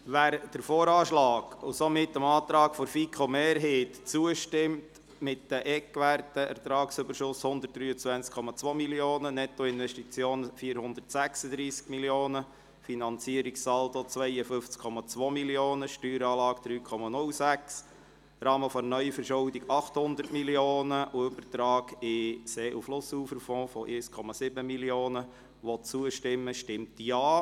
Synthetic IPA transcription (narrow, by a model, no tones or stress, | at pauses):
ʋæːɾd̥əɾfoːɾɑːʃlɑːɡ̥ʊsomɪt̪ːəmɑːt̪ɾɑːkfɔɾfikʰomeːɾɦeːtt͡suəʃtɪmt | mɪtːəʔɛkʋærtəʔɛ̰ɾt̪ɾɑːksʏbəɾʃʊshʊnd̪ərt̚d̥ɾyːət͡sʋænt͡skʰːɔmɑt͡sʋoːmiljoːnənɛt̪ːɔɪnʋɛʃtit͡sjoːnfiːəɾhʊnd̪ərtsæksəd̪ɾiːskmiljoːnə | finɑnt͡siəɾiksɑldot͡sʋɛjəfʏft͡skʰːɔmɑt͡sʋoːmiljoːnəʃtyːɾɑːlɑːɡ̥d̪̥ɾyːkʰɔmɑnʊlsæks | rɑːməfɔnœʏfəɾʃʊwdiɡɑχthʊnd̪əɾtmiljoːnəʔubəɾtɾɑːɡɪseːʔuflʊsuːfəɾfɔ̃ːfɔʔeskʰɔmɑsɪbəmiljoːnə | ʋɔt͡suəʃtɪmːəʃtɪmtjɑː